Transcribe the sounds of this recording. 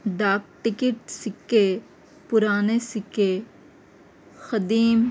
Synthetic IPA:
d̪aːk̚ʈɪkɪʈ̚sɪkːe | pʊɾaːnesɪkːe | xɐd̪iːm

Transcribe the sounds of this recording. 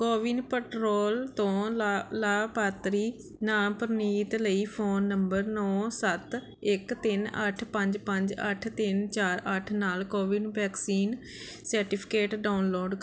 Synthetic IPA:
koːʋiːnpəʈɾoːlt̪õːlaːpaːt̪ɾiː | naːmpəɾniːt̪ləiːpʰoːnːəmbəɾnɔːsət̪ | ɪkt̪ɪnəʈʰpə̃ɲd͡ʒpə̃ɲd͡ʒəʈʰt̪ɪnt͡ʃaːɾəʈʰnaːlkoːʋinbɛːksiːn | səɾʈɪpʰɪ̥keːʈɖaːʊnloːɖ

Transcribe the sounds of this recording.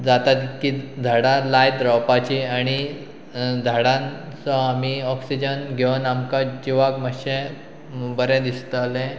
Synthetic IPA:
d͡zat̪at̪kid̪ʱaɽãlajd̪ɾɔwpat͡ɕiaɽ̃i | d̪ʱəɽãnt͡sɔamiɔksid͡ʑənɡʱeʋənamkad͡ʑiʋaɡməɕẽ | bəɾɛ̃d̪ist̪ːlẽ

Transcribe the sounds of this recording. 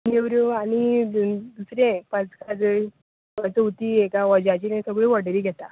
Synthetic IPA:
newɾuañi | d̪usɾẽpãt͡skad͡zəɭ | at͡səut̪iːekaʋɔd͡ʑat͡ɕinẽsəɡɭiːʋəɽɾiːɡʱɛt̪a

